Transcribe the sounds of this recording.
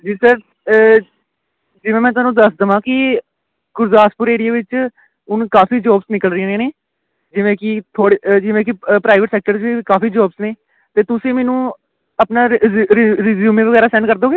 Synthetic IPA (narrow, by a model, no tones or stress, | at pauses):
d͡ʒiːsəɾ | d͡ʒɪʋẽːmɛ̃ːt̪ʊaːnũːd̪əsd̪əːʋãːkɪ | ɡʊɾzaːspʊɾeːɽɪjaːʋɪt͡ʃ | ʊnkaːfiːd͡ʒɔːbsnɪkəlɾɪãːnẽːneː | d͡ʒɪʋẽːkɪt̪ʰoːɽed͡ʒɪʋẽːk̬ɪpɾaːɪʋəʈsɛːk̚ʈəɾd͡ʒʋiːkaːfiːd͡ʒɔːbsneː | t̪eːt̪ʊsĩːmɛːnũː | əpnaːɾɾɪzuːmẽːʋəɣɛːɾaːsɛ̃ːnɖkəɾd̪eoːɡeː